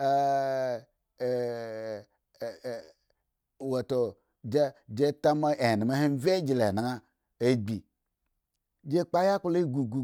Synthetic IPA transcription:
wo˨to˨ | d͡ʒe˦d͡ʒe˦ta˦ma˦e˨ni˨me˦he˦n˦ve˦d͡ʒi˨le˨na˨ŋa˦ | e˦ɡ͡bi˨ | d͡ʒe˦k͡pa˦ja˦ku˦le˦ɡu˨ɡu˨

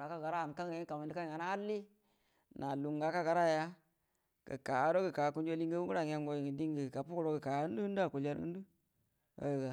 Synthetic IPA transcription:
a˨ka˦ɡa˨ɾa˦˨n˨ka˦ŋ˨e˦ka˨mi˨ndi˦ka˦i˨ŋa˨na˦a˦lːi˦ | na˨lu˨ŋɡa˨˦ka˦ɡa˨ɾa˦˨ja˦ | kə̰˨ka˨˦ɾo˦ɡə˨ka˨ku˦n˦d͡ʒo˦li˦ŋɡə˦wu˦ɡu˦ɾa˨ŋ˦a˦ŋɡo˦ji˨ŋi˨di˦ŋɡi˨ka˨pu˦kɾo˦ɡə˨ka˨˦u˦n˦u˦u˦du˦a˦˨ku˨la˦ɾɨ̰˦du˦ | o̰˦jo˨ɡa˨

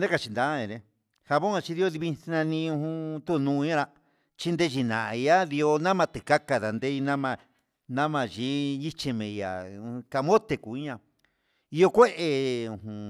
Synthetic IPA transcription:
nẽ˦ka˧t͡ʃi˧nd̪a˧˦ẽ˨ɾe˧ | ha˧βõ˦a˧t͡ʃi˧ði˧o˧ði˧βi˧nã˧nĩ˧ũ˧hũ˧t̪u˦˧nũ˧˦ã˦ɾa˧ | t͡ʃi˦nd̪e˦˧ʒi˧nã̰˨˧a˦ði˧o˧nã˦mã˧t̪e˨ka˦ka˧ða˨nd̪e˦i˧nã˦mã˧ | nã˦mã˧ʒi˦i˦t͡ʃi˧mẽ˨˧ã̰˨˧ka˧mõ˦t̪e˧˨ku˨i˦ɲã˧ | i˧jo˧kʷe˦ʔe˧ũ˧hũ˨

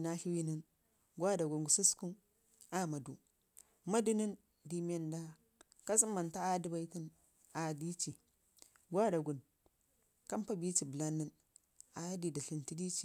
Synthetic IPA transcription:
na˦ɬi˦wi˦ni˦n | ɡʷa˦da˨ɡu˨nɡu˨su˦sku˦n | a˦ma˨dṵ˨ | ma˦du˦ni˦n | di˨mʲ˦e˦nda˦ | ka˦s̬i˦mːa˨nta˦a˦di˦ba˦i˦ti˦n | a˨di˦t͡ʃi˨ | ɡʷa˦da˨ɡu˨n | ka˦mpa˦bi˦t͡ʃi˨bə˨la˦nːi˦n | a˨˦di˨di˨ɬi˨nti˦di˦t͡ʃi˨

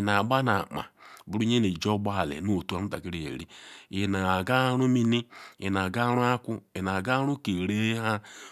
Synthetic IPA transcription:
na˨ɡ͡ba˦na˨k͡pa̰˨bu˨ɾu˦ɲe˦ne˨d͡ʒɔ˦ɡ͡ba˦˨lɛ̰˨no˦o˨tu˦a˦u˦a̰˨ki˦ɾe˨ḛ˨ɾi˦i˨na˨ɡa˦ɾu˦mi˦ni˦ji˨na˨ɡa˦ɾu˦a˦kʷu˦i˨na˨ɡa˦ɾu˦ke˨ɾe˦ɦa˦

